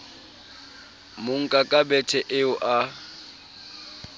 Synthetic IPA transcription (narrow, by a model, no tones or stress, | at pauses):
mʊŋ̩kʼakʼabɛtʰɛʔɪʊʔa